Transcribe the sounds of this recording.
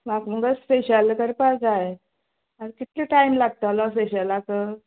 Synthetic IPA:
makm̤əɡəspeɕəlkəɾpad͡zae | aɾkit̪liʈajmlaɡ̚t̪əlɔ̃speɕəlakə

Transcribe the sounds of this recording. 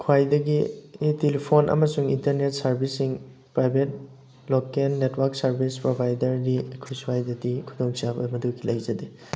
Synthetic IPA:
kʰwajdɐɡitelipʰonʔɐ̰mɐsuŋintɐɾnet̚sɐɾbʱisiŋ | pɾajbʱet̚ | lokenːetwaɾksɐɾbʱispɾobʱajdɐɾdikʰɾuswajdɐdikʰudoŋsabɐmɐdukilɐjzɐde

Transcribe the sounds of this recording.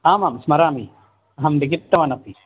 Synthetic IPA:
aːmaːmsmɐɾaːmi | ɦɐmd̪iɡɪt̪ːɐʋɐnɐpi

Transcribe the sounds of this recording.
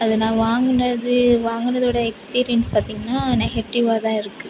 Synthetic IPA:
ɐðɐnãːʋaːŋɡɯɳɐðɯʋaːŋɡɯnɐðoːɽɐɛkspiːɾɪjɐnspaːɾt̪iːŋɡɐnːaːnɛɣɛʈːɪʋaːt̪ãːɪɾɯkːɯ

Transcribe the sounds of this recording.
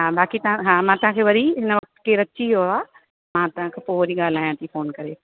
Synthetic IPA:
ɦãːbaːkit̪ɐãɦãːmãt̪ɐʋ̤ãkʰeːʋɐɾiɦɪnəʋɐk̚t̪keɾɐt͡ɕiɦoaː | mãt̪ɐʋ̤ãkʰeːpoːʋɐɾiɠaːl̤aːjãt̪ʰifoːnkɐɾeː

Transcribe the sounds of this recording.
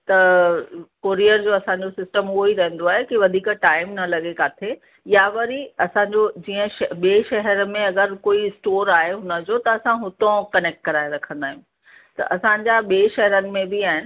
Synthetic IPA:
t̪ɐ | koːɾijəɾd͡ʑoːɐsãɲ̆d͡ʑosɪsʈəmʊɦoiɾɐ̃ɦə̃n̆d̪oaːɦekiʋɐd̪ʱiːkʈaːɪmnɐlɐɠekaːt̪ʰe | jaʋɐɾiɐsãːɲd͡ʑod͡ʑiːə̃ʃɓieːʃɐɦəɾə̆mẽɐɡəɾkoːiɪsʈoːɾaːɦeɦʊnə̆d͡ʑot̪ɐːsãɦʊt̪õkɐneːk̚ʈ̚kɐɾaːeɾɐkʰə̃nd̪aːɦij̃ũ | t̪ɐ̰ʔɐsãɲd͡ʑaɓeːʃɛɦɛɾənɪ̆mẽbiaːɦɪnɪ̆

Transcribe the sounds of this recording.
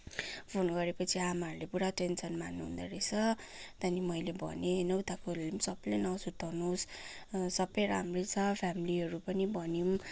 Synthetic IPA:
pʰonɡʌɾepʌt͡sʰiamaʌɾulepuɽaʈensʌnmanːuɦṵnd̪ʌ̰ɾet͡sʰʌ | t̪ʌnimʌjlebʱʌ̰nenʌwt̪akolimsʌblenʌsut̪ʰʌnussʌbʌjɾamret͡sʰʌpʰamiliɦʌɾupʌnibʱʌnjum

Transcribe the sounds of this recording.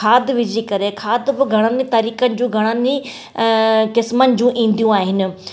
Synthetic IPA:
aːd̪ʋɪd͡ʒiːkɐɾekʰaːd̪bɪɡʱɐɽ̃ãnit̪aːɾiːkənɪ̆d͡ʑũːɡʱɐɽ̃aniː | kɪsmənɪ̆d͡ʑũːʔĩːn̆d̪ijũaːɦɪnɪ̆

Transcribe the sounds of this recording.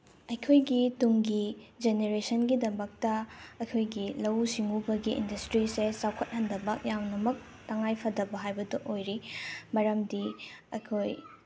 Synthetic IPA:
ɐjkʰojɡituŋɡid͡ʒeneɾesɐnɡidɐmɐk̚tɐɐjkʰojɡilɐwsiŋubɐɡiʔḭndɐstɾisesawkʰɐt̚hɐndɐbɐk̚jawnɐmɐk̚ | tɐŋajpʰɐdɐbɐɦajbɐdɐʔojɾimɐɾɐmdi | ɐ̰jkʰoj

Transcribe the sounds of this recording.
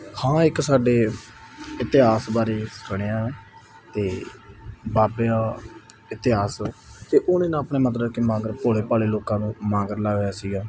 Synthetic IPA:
hãːɪksaːɖeː | ɪt̪ɪɦaːsbaːɾeːskəɳ̃eːaːeː | t̪eː | baːpeaː | ɪt̪ɪɦaːst̪eːʔʊneːnãːpɳeːmət̪̬ləkemãːɡəɾpoːɭeːpaːleːloːkãːnũːmãːɡəɾlaːejaːsiːɡaː

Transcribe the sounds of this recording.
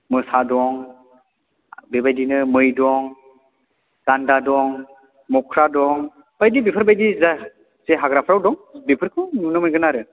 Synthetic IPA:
mɯsadɔŋ | bebajdinɯmɯjdɔŋ | ɡ̥andadɔŋ | mɔkʰɾadɔŋ | b̥ajdibipʰɯɾbajdiza | z̥eɦaɡɾapʰɾawdɔŋbipʰɯɾkʰɯwnunɯmɯjɡɯnaɾɯ

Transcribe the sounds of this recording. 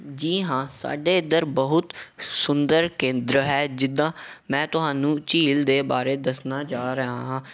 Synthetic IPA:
d͡ʒiːɦãːsa̰ːɖeːɪd̪əɾbəɦʊt̪sʊnd̪əɾkẽːnd̪ɾəɦɛːd͡ʒɪd̪ːãːmɛ̃ːt̪ʊɦaːnũːt͡ʃiːld̪eːbaːɾeːd̪əsnaːd͡ʒaːɾəɦaːɦãː

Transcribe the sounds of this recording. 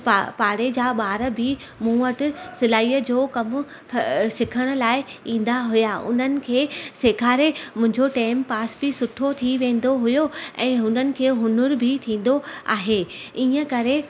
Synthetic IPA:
papaːɽed͡ʑaːɓaːɾəbʱɪ | mũːəʈɪsɪlaːiːəd͡ʑoːkɐmʊ | sɪkʰəɽ̃ʊ̆laːɪĩːn̆d̪aɦʊjaʔʊ̰n̤ənɪ̆kʰeːsekʰaːɾemʊ̃ɦɪ̃ɲd͡ʑoʈaːɪmpaːsbɪsʊʈʰot̪ʰiʋẽːn̆d̪oɦʊjoɛ̃ːɦʊnənɪ̆kʰeːɦʊnʊɾbʱɪt̪ʰĩːn̆d̪oa̰ːɦeiːə̃kɐɾe

